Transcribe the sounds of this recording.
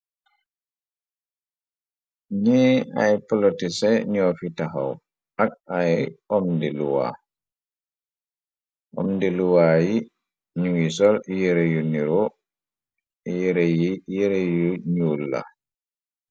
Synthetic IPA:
ɲɛa̰jpɔlotisɛɲofitaɦa̰w | ak̚ajɔmdeluwa̰ | ʔɔ̰mdeluwaji | ɲuwisɔljɛɾejuniɾɔ | jɛɾejijɛɾejuɲulːa̰

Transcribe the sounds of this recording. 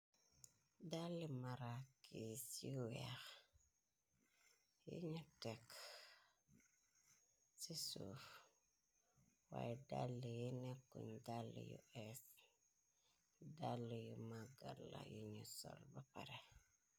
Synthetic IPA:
dalːimaɾakisiwɛx | jṵɲutɛk | sisuf | wa̰jdalːijinekːuɲdalːḭjṵʔɛs | dalːijumaɡalːa̰juɲusɔ̰lbapaɾe

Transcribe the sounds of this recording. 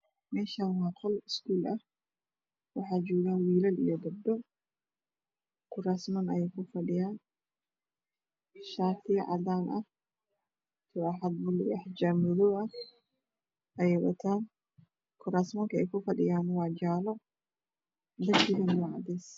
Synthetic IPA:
mɛːʃanwaːt̪ʰɔlɪskuːlʔɐh | wɑħaːd͡ʒuːɡaːnwiːlɐlḭjɔd̪ɐb̚d̪ɔ | kʰʊɾaːsmɐnɐɛjkʊfɐɗɪjaːn | ʃaːt̪ɪʕa̰d̪aːnʔɐh | t̪ʰɔaħɐd̪̚bʊlɪɐħd͡ʒaːmɪðɔʔɐ | ʔɐɛjwɐ̰t̪ʰaːn | kʰʊɾaːsmɐŋkɐɛjkʊfɐɗɪjaːnwaːd͡ʒaːlɔ | d̪ɐʃidɐnwaʕd̪ɛːs

